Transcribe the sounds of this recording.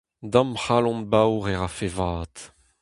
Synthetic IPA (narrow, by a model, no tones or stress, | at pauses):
dãmχalɔ̃nbawʁɛʁafevaːt̪